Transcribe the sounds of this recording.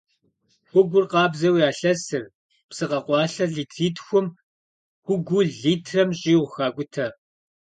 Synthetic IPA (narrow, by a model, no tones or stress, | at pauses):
xʷʊɡʷʊrqɑːbzɐwiaːɬɐsɨr | psɨqɐqʷɑːɬɐɮiːtʰriːtxʷʊm | xʷʊɡʷʊɮiːtʰrɐmɕʼiːwxaːkʷʼʊtʰɐ